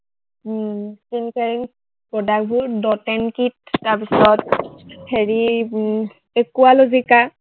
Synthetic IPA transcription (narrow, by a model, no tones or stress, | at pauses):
kinkeɹiŋ | pɔdak̚bʱʊɹdɔtɛnkit̚ːaɹpisɔt̚heɹi | ekualozika